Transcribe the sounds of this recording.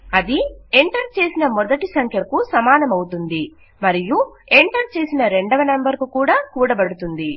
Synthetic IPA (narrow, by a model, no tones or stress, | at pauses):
ɐd̪ie̞ɳʈɐɾt͡ʃe̞ːsinɐmɔd̪ɐʈisɐŋkʰjɐkusɐmaːnɐmɐwut̪und̪i | mɐɾijueɳʈɐɾt͡ʃeːsinɐɾe̞ɳɖɐʋɐnɐmbɐɾkukuːɽaːkuːɽɐbɐɽut̪und̪i